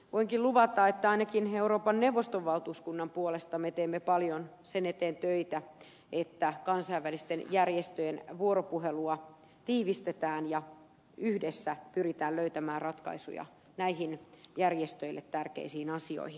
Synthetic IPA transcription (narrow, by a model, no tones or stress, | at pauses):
ʋoiŋkiluʋɑt̪ːˑɑet̪ːæɑinɑkineuɾoːpɑnnewʋːost̪oʋʋɑlt̪uːskunːɑmpuolest̪ɑmet̪eːmːepɑljon | senet̪eːnt̪øit̪æ | et̪ːækɑnsɑiʋːælist̪enjærjest̪øjenʋuoɾopuɦeluɑ | t̪iːʋist̪et̪æːnjɑ | yhdesːæpyrit̪æːlløyt̪æmæːrrɑt̪kɑ̰isṵjɑ̰ | næihinjærjest̪øilːet̪tːærkḛisiːnɑsio̰ihin